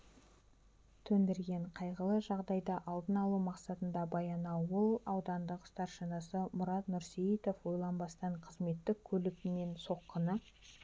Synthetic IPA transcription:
t̪ʰɵnd̪ɪɾɡʲe̞ɴqʰɑjʁəlˠəʒɑʁd̪ɑjd̪ɑʔɑlˠd̪ənɑlˠumɑqsɑt̪ənd̪ɑbɑjɑnɑwwolˠɑwd̪ɑnd̪əqʊ̥st̪ɑɾʃənəsəmʊɾɑt̪nʊɾsiit̪ofwo̞jlˠɑnbɑst̪ɑɴqʰəzme̞t̪ːɪk̚ʲʰɵlɪkʲɪne̞nso̞qːənə

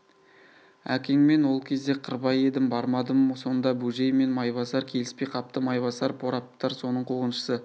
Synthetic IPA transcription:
æ̰kʲeŋme̞nwo̞lˠkʲʰe̞zd̪e̞qʰərbɑje̞d̪ɪmbɑɾmɑd̪əmso̞nd̪ɑbuʒe̞jme̞nmɑjbɑsɑɾkʲʰe̞lɪspe̞jqʰɑp̚t̪əmɑjbɑsɑɾpʰoɾɑp̚t̪ɑɾso̞nəɴqʰoʁənʃə̥sə

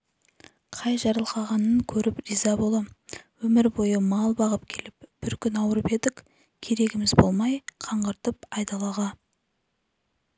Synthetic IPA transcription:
qʰɑjʒɑɾəlˠqɑʁɑnəŋkʲʰɵɾɪpɾizɑbo̞lˠɑwɵmɪɾbo̞jəmɑlˠbɑʁəp̚kʲʰe̞lɪp̚b̥ɪɾkʲʰʏnɑwəɾəpe̞d̪ɪkʲ | kʲʰe̞ɾe̞ɡʲɪmɪzbo̞lˠmɑjqʰɑɴʁɑɾt̪əpɑjd̪ɑlˠɑʁɑ

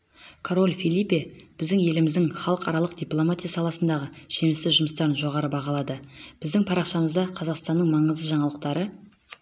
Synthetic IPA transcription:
kʰoɾo̞lʲfʲilipeb̥ɪzd̪ɪŋje̞lɪmɪzd̪ɪŋχɑlˠəqɑɾɑlˠəqd̪ijplˠo̞mat̪ʲijasɑlˠɑsənd̪ɑʁəʒe̞mɪst̪ɪʒʊməst̪ɑɾənʒo̞ʁɑɾəbɑʁɑlˠɑd̪əb̥ɪzd̪ɪŋpʰɑɾɑqʃɑməzd̪ɑqʰɑzɑqst̪ɑnːəɴmɑɴəzd̪əʒɑɴɑlˠəq̚t̪ɑɾə

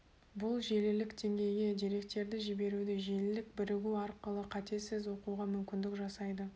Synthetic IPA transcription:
bʊlˠʒe̞lɪlɪkd̪e̞ŋɡʲe̞jɡʲe̞d̪iɾe̞k̚t̪e̞ɾd̪ɪʒɪbe̞ɾud̪eʒe̞lɪlɪk̚bɪɾɪɡʲuɑɾqəlˠəqʰɑt̪e̞sɪzwo̞quʁɑmʏmkʲɪnd̪ɪkʒɑsɑjd̪ə

